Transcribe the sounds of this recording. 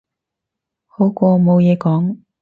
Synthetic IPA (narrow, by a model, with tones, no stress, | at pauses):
ho˨˥wkʷɔː˧mo˨˧wjɛː˨˧kɔː˨˥ŋ